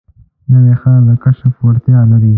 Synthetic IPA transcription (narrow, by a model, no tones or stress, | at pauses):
nəwexad̪əkaʃafwaɾt̪jɑlaɾi